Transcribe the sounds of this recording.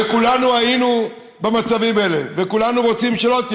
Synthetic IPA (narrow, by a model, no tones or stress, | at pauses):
ekulanuajinu | bemat͡savimelḛvekulanuʁo̞t͡simʃelo̞t̪